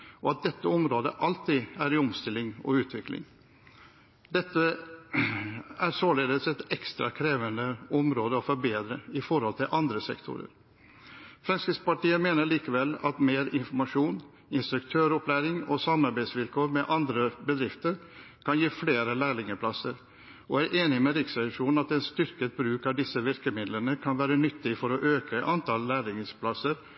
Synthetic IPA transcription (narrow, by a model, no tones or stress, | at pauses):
ɔɑt̪̚d̪ɛt̪ːəɔmɾoːd̪ə̰ʔɑlt̪iːæɾɪɔmst̪ɪlːɪŋɔ̰ʉːt̪ʰʋɪklɪ̰ŋ | d̪ɛt̪ːə | æɾsoːleːd̪əsɛt̪ɛkst̪ɾɑkʰɾeːʋənd̪əɔmɾoːd̪əɔfɔɾbeːd̪ɾəɪfɔɾhɔlt̪ʰɪlʔɑnd̪ɾəsɛ̰kt̪ʰʊ̰ɾə̰ɾ | fɾɛnskəspɑʈiːəmeːnəɭiːkəʋɛlɑ̰t̪meːɾɪnfɔɾmɑʂuːn | ɪnst̪ɾʉkt̪ʰøːɾɔplæːɾɪŋɔsɑmɑɾbæɪsʋɪlkʰoːɾmɛʔɑnd̪ɾəbəd̪ɾɪft̪əɾ | kʰɑnjiːfleːɾəlæːɭɪŋəpʰlɑsəɾ | ɔæɾʔeːnɪmɛɾɪksɑʂuːnɑt̪ɛnst̪ʏɾkət̪̚bɾʉːkɑʋd̪ɪsəʋɪɾkəmɪd̪lənəkʰɑnʋæːɾənʏt̪ʰːɪfɔɾɔʔøːkəʔɑnt̪ʰɑlːæːɭɪŋəspʰlɑsəɾ